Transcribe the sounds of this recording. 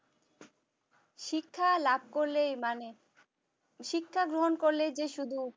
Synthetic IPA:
ʃikʰːalab̚ʱkoɾlemane | ʃikʰːaɡɾoɦonkoɾled͡ʑeʃud̪ʱu

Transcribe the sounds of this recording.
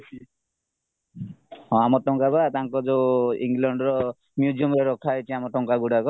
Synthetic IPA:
ɦɔ̃amɔʈɔŋkabat̪aŋkɔd͡ʒoḭŋlɔɳɖɾɔ | mjud͡ʒiɔmɾeɾɔkʰaet͡ʃʰiamɔʈɔŋkaɡuɽakɔ

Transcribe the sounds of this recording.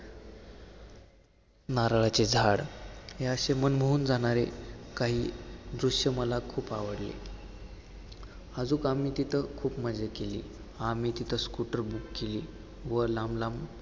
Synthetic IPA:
naɾɭat͡ɕed͡zʱaɽɦeəɕemənməɦuːnd͡zaɽ̃aɾekaɦiːd̪ɾuʂjəməlakʰuːpaʋəɽlḛ | əd͡zuːkamiːt̪it̪ʰəkʰuːpməd͡zekelḭː | amiːt̪it̪ʰəskuʈəɾbukːeliː | ʋəlamlam

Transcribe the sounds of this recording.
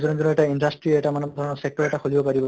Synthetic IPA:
zɔnɔd͡ʒɔnɔeʈainɖasʈɾieʈamanɔd̪ʱɔɾɔnɔsek̚ʈɔɾɛʈaxolibɔpaɾibɔ

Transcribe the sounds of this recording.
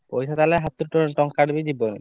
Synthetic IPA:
pojʃʰat̪aleɦat̪ːuɾʈoʈɔŋkaɖbid͡ʑibːone

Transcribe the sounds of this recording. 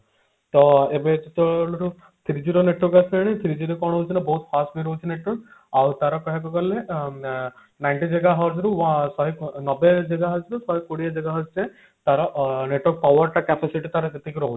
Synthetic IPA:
t̪ɔebet͡ʃit̪ɔlɾu | t̪ʰiɾid͡ʒiɾɔneʈɔɾkasɛɽ̃it̪ʰiɾid͡ʒiɾekɔɽ̃ɦut͡ʃʰinabɔɦut̪pʰasʈbiɾɔɦut͡ʃʰineʈwɔk̚ | awt̪aɾɔkɔɦekɔɡɔlːe | najɳʈid͡ʒeɡaɦɔɾsɾuwasɔɦiknɔbed͡ʒeɡaɦɔɾsɾusɔɦikoɽiad͡ʒeɡaɦɔst͡ʃɛ̃ | t̪aɾɔneʈwɔɾk̚pawɔɾʈakɛpasiʈit̪aɾɔt̪et̪ikiɾɔɦut͡ʃʰi̥

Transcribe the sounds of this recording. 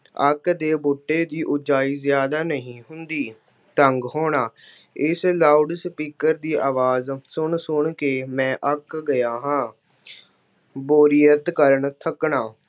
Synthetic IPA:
ə̰kd̪eːboːʈːeːd̪iːʔʊd͡ʒaːiːzɪjaːd̪aːnəɦĩːɦʊnd̪iː | t̪əŋɡɦoːɳaː | ɪslaːuɖspiːkəɾd̪iːʔaːʋaːzsʊɳsʊɳkeːmɛ̃ːʔəkɡəjaːɦãː | boːɾiːət̪kəɾəɳt̪ʰəkɳaː

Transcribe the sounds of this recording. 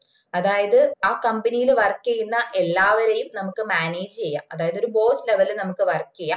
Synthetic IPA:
ɐðaːjɐðɨaːkɐmbɐnijilʋɐrkːejunːɐʔe̞lːaːʋɐɾejumnɐmukːɨmaːneːd͡ʑɨt͡ɕe̞jːa̰ːmɐðaːjɐðo̞ɾubo̞ːsleʋɐlɨnɐmukːɨʋɐrkːejːaː

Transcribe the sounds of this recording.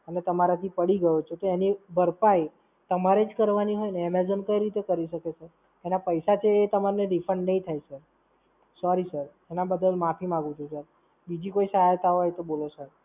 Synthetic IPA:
ənet̪əmaɾat̪ʰipəɽiɡəjot͡ʃʰet̪oenibəɾpaj | t̪əmaɾed͡ʒkəɾʋaniɦojneːmezənkəiɾit̪ekəɾiʃəkesʰeɾ | enapəjsat͡ʃʰeːt̪əmaɾneɾifʰəɳɖnəɦĩt̪ʰajsəɾ | sɔɾisəɾ | enabəd̪əlmapʰimãɡũt͡ʃʰusəɾ | bid͡ʒikoisəɦajt̪aɦojt̪obolesəɾ

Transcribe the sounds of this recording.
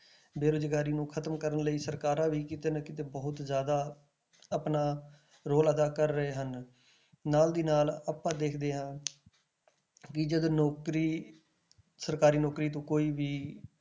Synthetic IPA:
beːɾod͡ʒɡaːɾiːnũːkʰət̪əmkəɾənləiːsəɾkaːɾãːʋiːkiːt̪enəkɪt̪eːbɔːʊt̪zjaːd̪aː | əpnaː | ɾoːləd̪aːkəɾːəɦeːɦənː | aːld̪iːnaːlaːpãːd̪eːkʰd̪eːɦãː | kɪd͡ʒəd̪oːnɔːkɾiː | səɾkaːɾiːnɔːkɾiːt̪̬õːkoːiːʋiː

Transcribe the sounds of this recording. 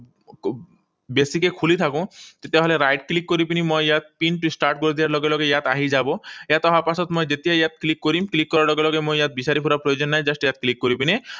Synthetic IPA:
besikekʰulit̪ʰakũt̪et̪eaɦoleɾajʈklikːoɾipinimɔjjat̪̚pinʈisʈaɾʈkoɾid̪iaɾlɔɡelɔɡejat̪aɦid͡ʑaboeat̪ɔɦapasɔt̪mɔjd͡ʑet̪iajat̪̚klikːoɾimklikːɔɾaɾlɔɡelɔɡemɔjjat̪̚biʃaɾipʰuɾapɾojod͡ʑɔnːajd͡ʑasʈjat̪klikːoɾipini

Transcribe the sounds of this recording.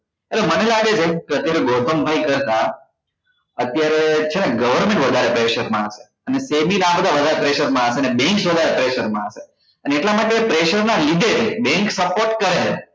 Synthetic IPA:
elemənelaɡet͡ʃʰekeət̪jaɾeɡot̪ʰəmbʱaikəɾt̪a | ət̪jaɾet͡ʃʰeneɡəʋəɾmẽɳʈʋəd̪ʱaɾepɾeʃəɾmãəʃe̥ | ənesebinabəd̪ʱaʋəd̪ʱaɾepɾeʃəɾmãəseənebɛ̃ŋksʋəd̪ʱaɾepɾeʃəɾmã̰əʃe | əneeʈlamaʈepɾeʃəɾnalid̪ʱed͡ʒbɛ̃ŋksəpoɾʈkəɾe

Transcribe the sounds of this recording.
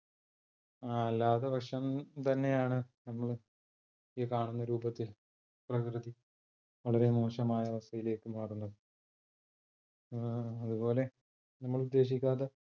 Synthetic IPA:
aɐlːaːðɐbɐʂɐmt̪ɐnːe̞jaːɳɨnɐmːɐɭ | ikaːɳunːɐɾuːbɐt̪ːɨ | prɐkrɨði | ʋɐɭɐɾe̞moːʂɐmaːjɐʋɐsɐjile̞ːkːɨmaːrunːɐðɨ | ɐðubo̞ːle̞ | nɐmːɐɭud̪ːe̞ːɕ̬ikʲːaːðe

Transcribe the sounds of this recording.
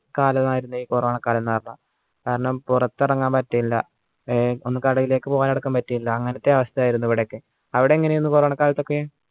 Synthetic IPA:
kaːlɐnaːjiɾunːuiːkuːrɐʋaːɳɐkːaːlɐnnːaːrɳɐ | kaːɾɐɳɐmpurɐt̪ːirɐŋːaːmpɐtːijilːɐ̰ | o̞nːɨkɐɽɐɣile̞ːkːɨpoːɣaːneɽuɐkːaːmpɐtːijilːɐːŋːɐnɐt̪ːe̞ɐʋɐst̪ɐjaːjiɾunːuiʋiɽeokːɨ | ɐʋiɽeiŋːɐnejonːukuːɐʋaːɳɐkaːlɐt̪ːo̞kːee

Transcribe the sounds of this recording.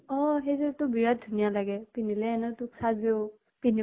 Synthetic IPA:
ɔɦejzɔɹtʊbiɹat̚dʱunijalaɡɛpinilɛɛnɔtʊksʰazeʊ | pini

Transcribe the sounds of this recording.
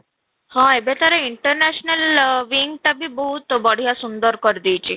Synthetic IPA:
hɔ̃ebet̪aɾeiɳʈɔɾnɛsɔnalʋiŋɡʈabibɔɦut̪bɔɽ̤ijasund̪ɔɾkɔɾid̪ijt͡ʃʰi

